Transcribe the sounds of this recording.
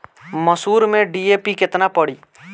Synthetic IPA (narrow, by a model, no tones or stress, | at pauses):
məsuːɾmẽɖiːeːpikɪt̪napəɽiː